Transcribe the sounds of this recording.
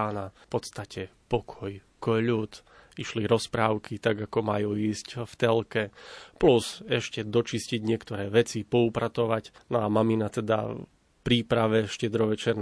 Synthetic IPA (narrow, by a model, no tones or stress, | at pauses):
aːnafpɔt̪st̪acɛpɔkʰɔj | kɔʎuːt̪ | iʃliɾɔspɾaːʊkit̪aɡakɔmajuːiːscft̪ɛlkɛpluzɛʃcɛd̪ɔt͡ʃisciɟɲɪɛkt̪ɔɾɛːʋɛt͡sipɔupɾat̪ɔʋacnɔamaminat̪ɛd̪a̰ | pɾiːpɾaʋɛʃcɛd̪ɾɔʋɛt͡ʃɛɾn